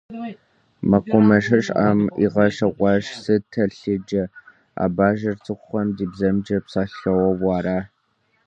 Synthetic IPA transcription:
mɐqʷʊmɐʃ̬ɐʂʼʔa̰ːmḭʁɐʃɐqʷʼɑʃsɨtʰɐɬɨd͡ʒɐ | a̰ːbaːʒɐrt͡sʰʼɨχʷʊχɐmdiːbzɐmd͡ʒɐpsaːɬɐwɐwɑːraː

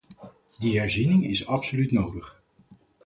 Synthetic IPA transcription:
diɦɛɹzinɪŋɪsɑpsolytnowdəχ

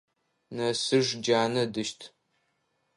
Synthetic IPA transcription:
nɐsɨʒd͡ʒaːnɐdɨʃtʰ

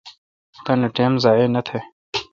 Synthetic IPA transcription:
t̪anɐʈeːmzaːenɐt̪ʰeː

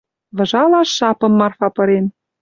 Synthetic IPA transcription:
βɤ̆ʒɑlɑʃːɑpɤ̆mːɑrfɑpɤ̆ɾen

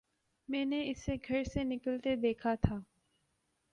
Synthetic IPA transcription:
mɛ̃ːneɪsːeɡʱɐɾsenɪkəlt̪ed̪eːkʰat̪ʰaː

